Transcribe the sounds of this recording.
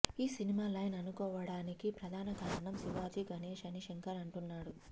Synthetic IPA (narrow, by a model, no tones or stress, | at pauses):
iːsinimaːlɐjnɐnukɔːʋɐɽaːnikipɾɐd̪ʱaːnɐɡaːɾɐɳɐmsiʋaːd͡ʒiɡʱɐneːʃɐniʃɐŋkɐɾɐɳʈunːaːɽu